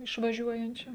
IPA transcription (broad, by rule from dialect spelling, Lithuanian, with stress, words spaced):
ɪʃʋɐˈʒʲuɔjɛnʲt͡ʃʲʊ